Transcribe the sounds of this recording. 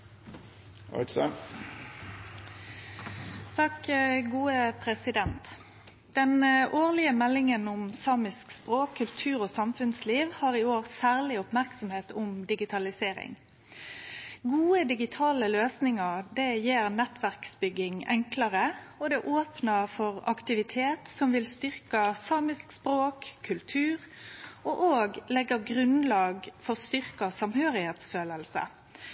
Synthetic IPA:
ɔ̰ksə | t̪ʰɑkɡuːəpʰʁɛsɪd̪ɛnt̪ | d̪̥ɛnʔoːʁlɪəmɛlːɪŋənʊmsɑːmɪskspʁoːkʰːʉlt̪ʰʉːʁoːsɑmfʉnsliːʋhɑːʁɪoːʁsæːʁlɪʊpmæʁksɔmheːt̪ʊmd̪ɪɡɪt̪ʰɑlɪseːɾɪ̰ŋ | ɡuːəd̪ɪɡɪt̪ʰɑːləløːsnɪŋɑʁd̪ɛjeːʁnɛt̪ʋæʁksbʏɡːɪŋɛ̰ŋklɑʁəɔd̪ɛʔoːpnəfɔʁɑ̰kt̪ɪʋɪt̪ʰeːt̪sɔmʋɪlst̪ʏʁkɑsɑːmɪskspʁoːkʰːʉlt̪ʰʉːʁɔʔoːɡlɛɡːəɡʁʉnlɑːɡfɔʁst̪ʏʁkɑsɑmhøːʁɪheːt̪sføːləlsə̰

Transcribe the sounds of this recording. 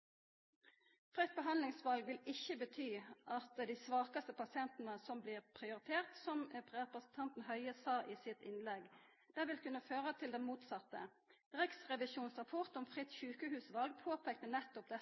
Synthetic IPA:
fʁœt̪̚bəɦɑnlɪŋsʋɑlɡʋɪlɪçːəbət̪ʰyːʔɑt̪d̪æɪsʋɑːkəst̪əpɑsɪɛnt̪n̩əsɔmbliːʁpʰʁɪʊʁɪt̪ʰeːʁt̪sɔmpɛpʁəsnt̪ʰɑnt̪n̩hœʏəsɑːʔiːsɪt̪ɪnlɛɡ | d̪̥ɛʋɪlkʉnːəføːʁət̪ʰɪld̪ɛnmuːt̪sɑt̪ːə̰ | ʁɪksʁɛʋɪʃuːnsʁɑpʰɔʁt̪ɔmfʁɪt̪çʉːkəhʉːsʋɑlɡ̚pʰoːpʰeːk̚t̪ənɛt̪ːʊp̚d̪ɛ

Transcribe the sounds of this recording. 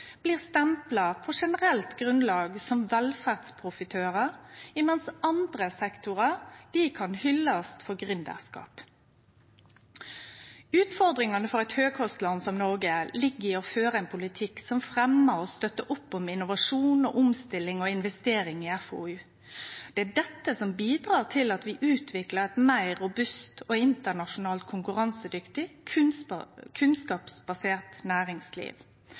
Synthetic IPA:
b̥liːʁst̪ɛmplɑpʰɔʂɛnəʁɛlt̪ɡʁʉnlɑːɡsɔmʋɛlfæʁd̪spʰʁʊfɪt̪ʰøːʁəʁɪmɛnsɑnd̪ʁəsɛkt̪ʊʁəʁd̪̥iːkʰɑnhʏlːɑst̪fɔɡʁʏnd̪æ̰ʁskɑ̰ːp | ʉːt̪fɔʁd̪ʁɪŋɑnəfɔʁɛt̪høːɡhɔst̪lɑnsɔmnɔʁɡəlɪɡɪoføːʁəɛnpʰʊlɪt̪ʰɪksɔmfʁɛməɾɔst̪œt̪ːəʔʊpːɔmɪnʊʋɑʂuːnoːʔʊmst̪ɪlːɪŋɔɪnʋɛst̪eːɾɪŋɪɛfo̰ːʉː | d̪̥ɛæːɖɛt̪ːəsɔmbiːd̪ʁɑːʁt̪ʰɪlɑt̪ʋɪʔʉːt̪ʰʋɪkləʁɛt̪mæɪʁːʊbʉst̪oɪnt̪ənɑʂʊnɑːlt̪̚kʰʊŋkʉʁɑnsəd̪ʏkt̪ɪ | kʰʉnskɑːpsb̥ɑseːʁt̪næːɾɪŋslḭːʋ

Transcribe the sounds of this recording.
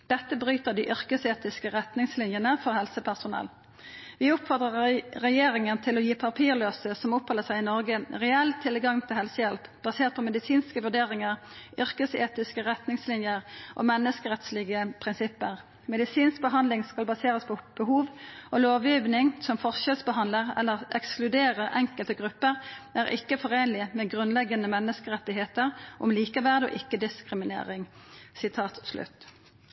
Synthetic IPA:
d̪̥ɛt̪ːəbʁyːt̪əʁd̪iːʔʏʁkəseːt̪ɪskəʁɛt̪nɪŋslɪnjənəfɔʁhɛlsəpʰæʁsʊnɛ̰l | ʋɪʊpfɔʁd̪ʁəʁʁɛjeːʁɪŋənt̪ʰɪlɔjiːpʰɑʁpʰiːʁløːsəsɔmʊphɑlːəsæɪɪnɔʁɡəʁɛɛlt̪ʰɪlɡɑŋːt̪ʰɪlhɛlsəjɛlp̪bɑseːʁt̪pʰɔmɛd̪ɪsiːnskəʋʉʁɖ̪eːʁɪŋəʁʔʏʁkəsḛːt̪ɪskəʁɛt̪nɪŋslɪnjəʁʔo̰ːmɛnːəskəʁɛt̪slɪɡəpʰʁɪnsɪpːəʁ | mɛd̪ɪsiːnsk̚bəɦɑnlɪŋskɑlbɑseːʁəspʰɔb̥əhuːʋɔloːʋjyːʋnɪŋsɔmfɔʁʃɛlsbəɦɑnd̪ləʁɛ̰lːəʁɛksklʉd̪eːʁəʁɛŋkəlt̪əɡʁʉpːəʁʔæːʁʔɪ̰kːəfɔʁeːnlɪmɛːɡʁʉnlɛɡənəmɛnːəskəʁɛt̪ːɪɦeːt̪əʁʔʊ̰mliːkəʋæʁd̪ɔ̰ːʔɪkːəd̪ɪskʁɪmɪnḛːʁɪŋsɪt̪ʰɑːt̪slʉ̰t̪

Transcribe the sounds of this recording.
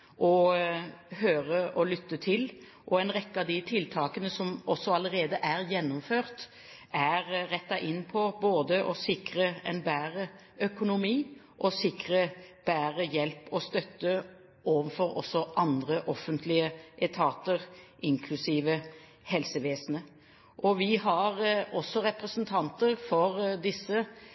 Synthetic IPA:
ʔɔ | høːʁəʔɔlʏt̪ːət̪ʰɪl | ʔɔɛɪnʁɛkːəɑd̪ɪt̪ʰɪlt̪ʰɑːkənəsɔmɔsːɔɑləɾeːd̪əʔæʁjɛnːʊmføːʁt̪ | æʁʁɛt̪ːɑʔɪnːpʰɔboːd̪əʔɔsɪkɾəɛ̰nbæːʁə | œkʊnʊmiː | ʔɔsɪkʁəb̥æːɾəjɛlpɔst̪œt̪ːə | ʔoːʋənfɔɾɔ̰sːɔʔɑnd̪ʁəʔɔfənt̪ʰlɪəʔɛt̪ʰɑːt̪əʁʔɪŋkʰlʉsiːʋə | hɛlsəʋeːsnə | ʔɔʋɪɦɑɾɔsːɔɾɛpɾəsnt̪ʰɑnt̪əʁfɔɾd̪ɪsːə

